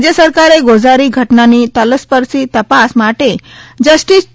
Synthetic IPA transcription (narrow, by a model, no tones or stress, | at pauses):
d͡ʑjəsəɾkaɾeɡod͡zaɾiɡʱəʈnanit̪ələspəɾsiːt̪əpasmaʈed͡ʑəsʈis